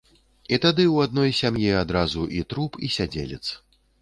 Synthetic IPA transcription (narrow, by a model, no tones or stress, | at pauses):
it̪ad̪ɨwad̪̚nɔjsʲamjiad̪ɾazuʔit̪ɾupʰisʲad͡zʲḛlʲɛt̪s